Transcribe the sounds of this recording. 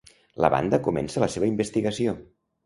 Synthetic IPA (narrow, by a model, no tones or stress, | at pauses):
lə̰βa̰nd̪əkumɛ̰nsələseβəimbəst̪iɣəsio